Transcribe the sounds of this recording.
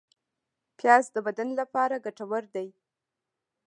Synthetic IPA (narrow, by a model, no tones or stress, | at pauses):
pjɑzd̪əbad̪anlapɑɾaɡaʈawaɾd̪aj